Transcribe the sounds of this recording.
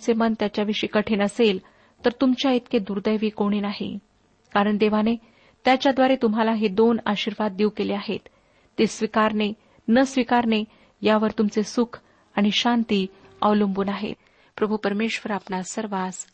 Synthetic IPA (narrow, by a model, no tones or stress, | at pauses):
t͡semənt̪jat͡ɕjaʋiʂiːkəʈʰeːnəsel | t̪əɾt̪umt͡ɕjaet̪̚ked̪uɾd̪əjʋiːkoɽ̃iːnaɦḭ | kaɾəɳd̪eʋ̤ane | t̪jat͡ɕjad̪ʋaɾet̪umɦalaɦed̪ona̰ɕiɾʋad̪̚ːiwkeleaɦḛt̪ː | esʋikaɾne | nəsʋikaɾne | jaʋəɾt̪umt͡sesukʰ | aɽ̃iɕant̪iː | ə̰ʋlumbunaɦḛ | pɾəbʱupəɾmeɕʋəɾapnasəɾʋas